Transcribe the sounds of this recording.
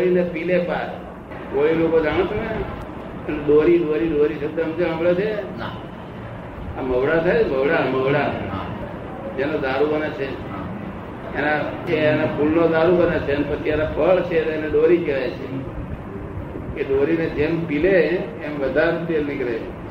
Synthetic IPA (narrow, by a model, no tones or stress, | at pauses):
oɽinepilepaɾ | koilokod͡ʒaɽ̃õt̪ne | əneɗoɾiɗoɾiɗoɾisəd̪əmd͡ʒeməbɭat͡ʃʰe | aməʋɽat̪ʰajməʋɽaməʋɽa | d͡ʒenõd̪aɾubənet͡ʃʰe | naeenapʰulnod̪aɾubənet͡ʃʰenpət͡ʃʰienapʰəɭt͡ʃʰet̪eneɗoɾikeʋajt͡ʃʰe | keɗoɾined͡ʒempileː | mʋəd̪ʱaɾt̪elnikɾet͡ʃʰe